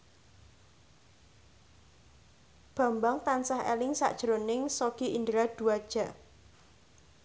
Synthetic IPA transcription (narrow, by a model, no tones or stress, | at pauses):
b̥a̤mbaŋt̪ansaɦḛlɪŋsa̰ʔd̥ʒ̥əɾonɪŋsoɡ̥iʔind̪ɾad̪̥ṳad̥ʒ̥a̤ʔ